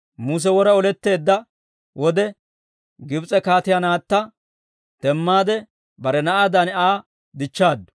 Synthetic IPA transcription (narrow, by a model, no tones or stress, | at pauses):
muːs̬ɛwɔɾɐɔlɛt̪ːe̞ːd̪ːɐ | wʔɔd̪ɛ | ɡɪbt͡sʼɛkaːt̪ɪjanaːt̪ːɐ | t̪ɛmːaːd̪ɛ | bɐɾɛnɐʔad̪ɐnaː | d̪ɪt͡ʃːaːd̪ːʊ̥